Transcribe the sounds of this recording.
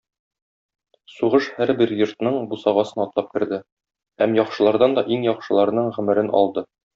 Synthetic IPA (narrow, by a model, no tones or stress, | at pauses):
suʁɤʃhæɾbɘɾjŏɾt̪nɤɴbusɑʁɑsɤnɒt̪lˠɑp̚kɘ̆ɾd̪ɘ | hæmjɒχʃɤ̆lˠɑɾd̪ɑnd̪ɒʔiŋjɒqʃɤ̆lˠɑɾɤ̆nɤɴʁɵ̆mɘ̆ɾɘnʔɒ̰lˠd̪ɤ